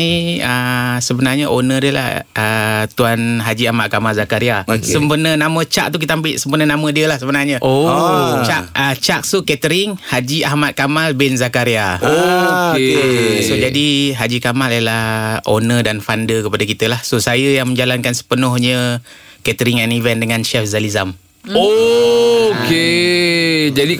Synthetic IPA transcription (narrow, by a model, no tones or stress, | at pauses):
iəsəbənarɲəʔonədəla̰hət̪uanɦad͡ʒiahmat̪̚kamalzakaɾiasəmpənənamət͡ʃa̰ʔ̚t̪uk̬it̪aambɪʔsəmpənənamədiəlahsəbənarɲəot͡ʃaət͡ʃak̚sukɛt̪əɾɪŋhad͡ʒiʔahmat̪̚kamalbɛnzakaɾiao | sod͡ʒadiɦad͡ʒikamalajəlaho̰nədanfandəkəpadakit̪əlahsosajəjaŋməɲd͡ʒalankansə̥pənʊhɲə | kɛt̪əɾɪŋɛnivɛndəŋanʃɛfzalizam | o | ke | d͡ʒadi